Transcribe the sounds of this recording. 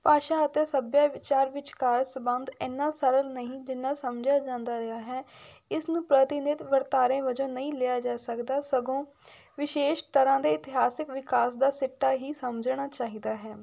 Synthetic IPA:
paːʃaːət̪eːsəbjaːʋɪt͡ʃaːɾʋɪt͡ʃkaːɾsbə̃nd̪ɛːnːaːsəɾəlnəɦĩːd͡ʒɪnːaːsəmd͡ʒaːd͡ʒãːnd̪aːɾɪɦaːɦɛː | ɪsnũːpɾət̪ɪnɪt̪ʋəɾt̪aːɾẽːʋəd͡ʒõːnəĩːleːjaːd͡ʒaːsəkd̪aːsəɡõː | ʋɪʃeːʃt̪əɾãːd̪eːɪt̪ɪɦaːsɪkʋɪkaːsd̪aːsɪʈːaːɦiːsəməd͡ʒɳaːt͡ʃaːɦiːd̪aːɦɛː

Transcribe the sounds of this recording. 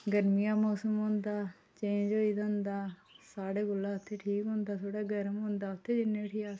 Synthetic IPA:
ɡəɾmijãːmoːsəmɦõːnd̪aː | t͡ʃẽd͡ʒoːiːt̪ə̃ːnd̪aːsaːɽeːkʊlːaːʊt̪ʰːeːʈʰiːkɦʊ̃ːnd̪aːt̪ʰoːɽaːɡəɾmɦʊ̃nd̪aːʊt̪ʰːeːd͡ʒɪnːẽːʈʰiːaː

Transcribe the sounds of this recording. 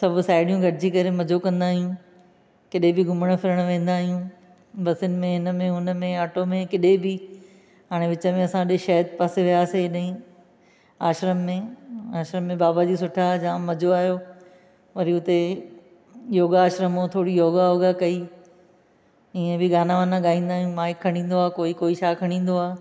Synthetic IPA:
sɐbʱsaːɪɖijũɡɐɽɪd͡ʑikɐɾemɐd͡ʑokɐ̃nd̪aːɦijũ | kɪɗebɪɡʱʊməɽ̃fʰɪɾəɽ̃ʋẽːn̆d̪aːɦijũ | bɐsɪnɪ̆mẽɦɪnəmẽʊnəmẽaːʈomẽkɪɗebɪ | ɦaːɽ̃eʋɪt͡ɕəmẽɐsãɗɪʃɐɦt̪paseʋijaːseɗɐɦĩ | aːʃɾəmːẽaːʃɾəmːẽbaːbad͡ʑiːsʊʈʰad͡ʑãːmɐd͡ʑʱoaːɦijoː | ʋɐɾiʊt̪e | joːɡaaːʃɾəmɦot̪ʰoːɽijoːɡajoːɡakɐi | iːẽbɪɡaːnaʋaːnãɠaːĩːn̆d̪aːɦijũmãːɪkʰːɐɽ̃ĩːn̆d̪oaːkoːikoːiʃʰaːkʰɐɽ̃ĩːnd̪oaː

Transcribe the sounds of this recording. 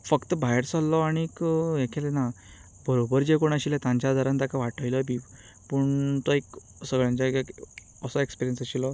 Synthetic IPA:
fəkt̪əbajeɾsalːɔaɽ̃iːkekʰelena | bəɾobəɾd͡ʑekoɳ̃aɕilet̪ãɲt͡ɕjad̪ʱəɾãnt̪akaʋaʈʰəjlɔbiːʋ | puɳt̪ɔek | səɡɭjãɲt͡ɕaɡk | əsɔekspiɾijənsəɕilɔ

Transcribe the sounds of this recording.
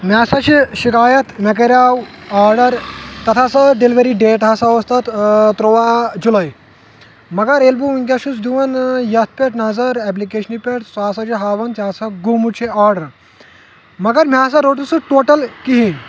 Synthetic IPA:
mʲaːsaɕiɕikaːjɐt̪mek̬ɐɾʲawaːɾɖəɾt̪ɐt̪ʰasɐɖeliʋəɾiɖeːʈɦasaʋɐst̪at̪t̪ɾoʋad͡ʒulaj | mɐɡɐɾelbuuŋɡʲaʃut͡sd̪uʋɐnjɐt̪̚ʰpʲeʈnazɐɾɛp̬likeɕənipʲeʈsaːsat͡ʃiɦaːʋɐnt̪asaɡumut͡ʃʰiaːɾɖɐɾ | mɐɡɐɾmʲaːs̬aɾoʈusəʈoːʈɐlkiɦĩ

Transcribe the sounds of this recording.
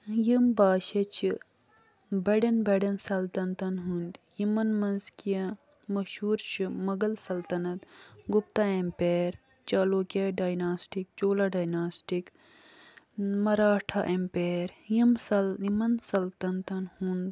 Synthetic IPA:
jimbaːʃet͡ʃʰi | bɐɖɐnbɐɖɐnsɐlt̪ɐnt̪ɐnɦund̪jimɐnmɐnzkijɐ | mɐʃuːɾʃimɐɡɐlsɐlt̪ɐnɐt̪ɡupt̪aempeːɾ | t͡ʃaːloːkʲeɖaːjnaːsʈik̚t͡ʃoːlaɖaːjnaːsʈik | mɐɾaːʈʰaʔempeːɾjimsɐimɐnsɐlt̪ɐnt̪ɐnhund̪

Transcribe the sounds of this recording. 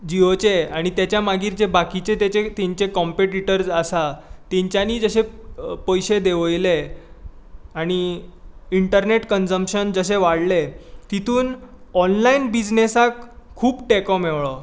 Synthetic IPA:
d͡ʑiot͡ɕeaɽ̃it̪jat͡ɕjamaɡiːɾd͡ʑebakit͡ɕet̪et͡ɕet̪eɲt͡ɕekɔmpeʈiʈəɾd͡zasat̪eɲt͡ɕjaniːd͡zəɕepəjɕed̪eʋəjle | aɽ̃i | iɳʈəɾneʈkənd͡zəmpɕənd͡zəɕeʋaɽlet̪it̪ʰuːnɔnlainbid͡ʑnesakʰːuːpʈekɔmeʋɭɔ

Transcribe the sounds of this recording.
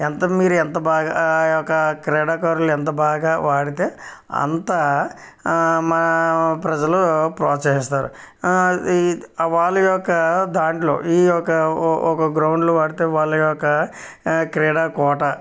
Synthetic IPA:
ent̪ɐmiːɾuɛnt̪ɐbaːɡajɔkɐkɾeːɽaːkaːɾuluent̪ɐbaːɡaːʋaːɽit̪e̞ː | ɐ̰nt̪ɐ | mɐpɾɐd͡ʒɐlupɾɔːt͡ʃɐɦist̪aːɾṵ | ʋaːɭːɐjɔkːɐd̪aːɳʈlo̰ːiːɔkɐɔkɐɡɾɐwɳɖluʋaːɽit̪e̞ːʋaːɭːɐjɔkːɐ | kɾɛːɽaːkɔːʈɐ

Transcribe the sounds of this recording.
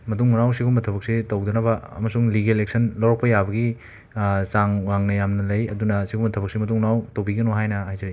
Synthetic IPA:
mɐtuŋnawsiɡumɐtʰɐbɐk̚sitɐwd̪unɐbɐɐmɐsuŋliɡelek̚sʰɐnlɐwɾɐk̚pɐjabɐɡi | saŋɾaŋnɐjamnɐlɐjɐdunɐsiɡumɐtʰɐbɐksimɐtuŋnawtɐwbiɡɐnoɦajnɐɦajzɐɾi

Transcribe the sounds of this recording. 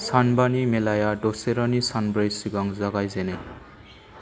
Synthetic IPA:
sanbanimelajaɖoseɾʌnisanbɾʌjsiɡʌŋzʌɡajzenʌj

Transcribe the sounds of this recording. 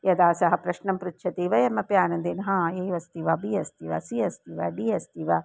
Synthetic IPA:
jɐd̪aːsɐɦɐpɾɐʃnɐmpɾut̪ʃʰɐt̪iːʋɐjɐmːɐpjaːnɐnd̪inɦãːeːʋɐst̪iʋɐbijɐst̪iʋɐ̰siɐst̪iʋɐɖiːɐst̪iʋɐ

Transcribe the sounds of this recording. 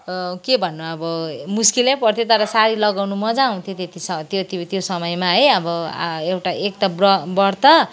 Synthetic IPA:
kebʱʌnːuʌbʌmuskilʌpʌrt̪ʰjot̪ʌɾʌsaɾilʌɡawnumʌd͡zaũt̪ʰjot̪et̪isʌt̪jot̪ot̪josʌmʌjmaɦʌjʌbʌ̰ewʈaʔek̚t̪abrʌbʌrt̪ʰʌ

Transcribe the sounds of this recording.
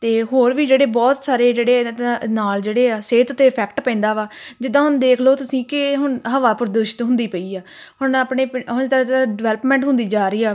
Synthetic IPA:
t̪eːɦoːɾʋiːd͡ʒeːɽeːbɔːt̪saːɾeːd͡ʒeːɽeːnaːld͡ʒeːɽeːaːseːt̪t̪eːpʰɛːkʈpɛ̃ːnd̪aːʋaːd͡ʒɪd̪ãːɦʊnd̪eːkʰloːt̪ʊsĩːkɪɦʊɳɦəʋaːpʊɾd̪ʊːʃɪt̪ɦʊ̃nd̪iːpəiːaː | hʊɳaːpɳeːpɦʊnt̪aaɖɪʋɛːləpmɛ̃ːɳʈɦʊ̃nd̪iːd͡ʒaːɾəiːaː

